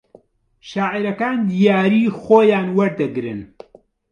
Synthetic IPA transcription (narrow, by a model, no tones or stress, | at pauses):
ʃaːʔiɾɐkaːnd̪ijaːɾiːxoːjaːnwɐɾd̪ɨɡɾɨn